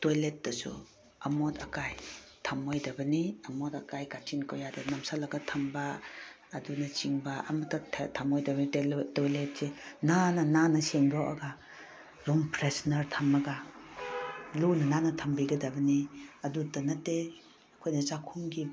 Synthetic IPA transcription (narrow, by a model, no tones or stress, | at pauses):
tojlet̚ːɐsṵ | ɐmotɐkajtʰɐmojdɐbɐniɐmotɐkajkat͡ʃinkowjadenɐmsalɐɡɐtʰɐmbaː | dunɐt͡ʃiŋbaʔɐ̰mɐtːɐtʰtʰɐmojdɐbnitetojlet̚senanɐnanɐseŋɡawʔɐ̰ɡa | ɾompɾesnɐɾtʰɐmːɐɡa | lunɐnanɐtʰɐmbiɡɐdɐbɐniɐdutɐnɐtːe | ɐkʰojnɐzakʰuŋɡi